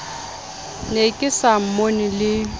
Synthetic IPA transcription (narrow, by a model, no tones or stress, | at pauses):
nekʼɪsam̩monɪlɪ